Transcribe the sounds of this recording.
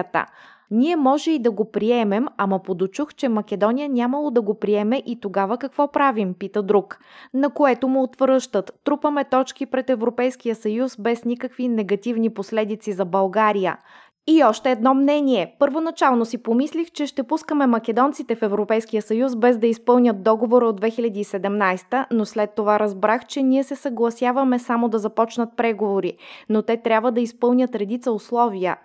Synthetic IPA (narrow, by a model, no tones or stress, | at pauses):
t̪ə̰ | nʲiɛmɔʒɛid̪ɐɡopɾiɛmɛmɐmɐpod̪ot͡ʃuxt͡ʃɛmɐkɛd̪ɔnijənʲaməlˠod̪ɐɡopɾiɛmɛʔit̪oɡavəkɐkvɔpɾavimpit̪əd̪ɾuk | nɐkoɛt̪omoot̪vɾəʃt̪ət̪ːɾupəmɛt̪ɔt͡ʃk̟ipɾɛt̪ɛvɾopɛjskijəsɐjusbɛsnʲikəkvinɛɡɐt̪ivniposlɛd̪it̪sizɐbɐlˠɡaɾijə̰ | iɔʃt̪ɛːd̪nɔmnɛniɛpəɾvonɐt͡ʃalˠnosipomislixt͡ʃɛʃt̪ɛpuskəmɛmɐkɛd̪ɔnt̪sit̪ɛfɛvɾopɛjskijəsɐjusbɛzd̪ɐispɤlˠnʲət̪̚d̪ɔɡovoɾəod̪vɛxilʲɐd̪iːsɛd̪ɛmnajst̪ənoslɛt̪ːovaɾɐzbɾaxt͡ʃɛniɛsɛsɐɡlˠɐsʲjavɐmɛsamod̪ɐzɐpɔt͡ʃnət̪̚pɾɛɡovoɾinot̪ɛt̪ɾʲjabvəd̪ɐispɤlˠnʲət̪ɾɛd̪it̪səʊslˠɔviə̰